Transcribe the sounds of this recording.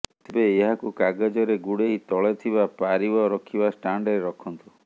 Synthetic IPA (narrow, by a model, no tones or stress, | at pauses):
t̪ʰibeeɦakukaɡed͡ʒɔɾeɡuɽeit̪ɔɭet̪ʰibapaɾibɔɾɔkʰibasʈaɳɖeɾeɾɔkʰɔnt̪u